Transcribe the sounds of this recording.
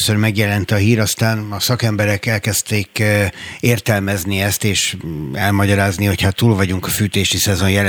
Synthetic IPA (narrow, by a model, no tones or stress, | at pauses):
sørmɛɡjɛlɛnt̪ɒɦiːɾɒst̪aːnɒsɒkɛmbɛɾɛkɛlkɛst̪eːk | eːrt̪ɛlmɛzniɛst̪eːʃɛlmɒɟɒɾaːzniho̞cʰhat̪ːuːlvɒɟuŋkɒfyːt̪eːʃisɛzo̞njɛl